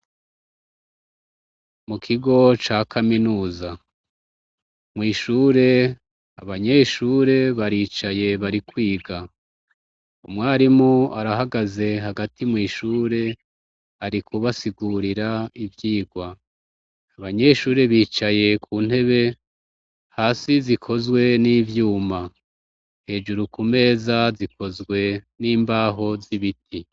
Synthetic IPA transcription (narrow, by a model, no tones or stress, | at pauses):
mukʰiɡo̞t͡ʃaːkʰaminuːza | mŋiːʃuːɾe̞ | aβaɲe̞ʃuːɾe̞βaɾiːt͡ʃaje̞βaɾikwiːɡa | umŋaːɾimuaɾaɦaɡaze̞ɦaɡatʰimŋiːʃuːɾe̞ | aɾikʰuβasiɡuɾiɾaivjiːɡwaː | βaɲe̞ʃuːɾe̞βiːt͡ʃaje̞kʰuːn̥he̞βe̞ | haːsizikʰo̞zwe̞niːvjuːma | he̞ːd͡ʒuɾukume̞ːzaziko̞zɡwe̞niːmbaːɦo̞ziβitʰi